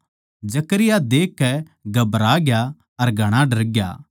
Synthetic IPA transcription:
d͡ʒɐkəɾɪjad̪eːkːɛ | ɡɐbɾaːɡɪja | ɐɾɡʱɐɽ̃aɖɐɾɡja̰ː

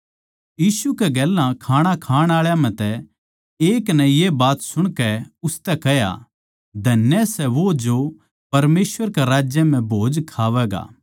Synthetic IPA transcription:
jiːsukɛɡɛːlãkʰaːɽ̃ãkʰaːɽ̃aːɭjãm̤ɛ̃t̪ɛ | eːknɐ̃jebaːt̪sʊɽ̃kɛʊst̪ɛkɛɦja̰ | d̪ʱɐnjɛsɛʋod͡ʒo | pɐɾmeːsʋəɾkɛɾaːd͡ʒjɛm̤ɛ̃bʱoːd͡ʒkʰaːʋɛɡa̰ː

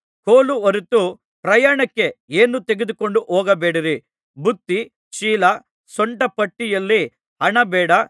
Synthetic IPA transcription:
koːluɐɾut̪ːu | pɾɐjaːɳɐkːe̞eːnut̪eɡed̪ukoɳɖuʔɔːɡɐbeːɽiɾi | bud̪ːi | ʃiːlɐ | sɔɳʈɐpɐʈːijɐlːi | ɦɐɳɐbɛːɽɐ

